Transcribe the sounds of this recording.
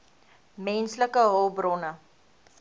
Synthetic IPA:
mɛnsləkəɦoːbrɔnə

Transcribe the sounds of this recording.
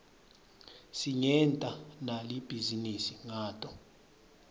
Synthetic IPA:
siŋɛntʼanalib̥ʱizinisiŋaːtʼɔ

